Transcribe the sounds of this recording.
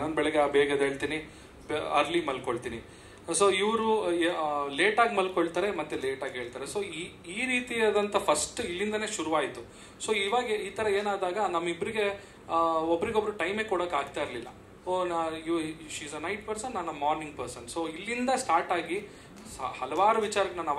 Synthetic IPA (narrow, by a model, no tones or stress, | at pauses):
naːnbɛɭɛɡeabɛːɡɐd̪ɦeːɭt̪ini | bɐ̰ɾlimɐlkoɭt̪ini | so̞ːiʋɾu | leːʈaːɡmɐlkoɭt̪aːɾe̞mɐt̪ːule̞ːʈaːɡɦe̞ːɭt̪aːɾeso̞ːi | iːɾiːt̪iaːd̪ɐnt̪ɐpʰɐsʈilːind̪ɐne̞ːʃuɾuʋaːjit̪ːu | so̞ːiʋaːɡeiːt̪ɐɾɐe̞ːnaːd̪aːɡɐnɐmːɐibːɐɾiɡe̞ | obɾiɡeobːɐɾuʈɐjmeːkɔɽokaːɡ̚t̪aːjiɾlilːɐ̰ | oːniʋʃiːzɐnɐjʈ̚pɐɾsɐnːɐnɐmaːɾniŋɡpɐɾsɐnso̞ːilːind̪ɐsʈaːɾʈaːɡi | hɐlɐʋaːɾuʋit͡ʃaːɾɐɡɐɳɐnaːʋ